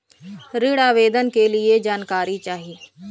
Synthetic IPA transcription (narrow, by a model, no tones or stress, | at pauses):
ɾɪɽaːʋeːd̪ənkelied͡ʒaːnkaːɾit͡ʃaːɦie